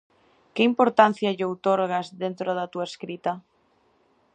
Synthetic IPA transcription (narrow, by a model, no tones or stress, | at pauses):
kɪimpoɾt̪an̟θjaʎowt̪oɾɣazðent̪ɾoðat̪uaeskɾit̪ɐ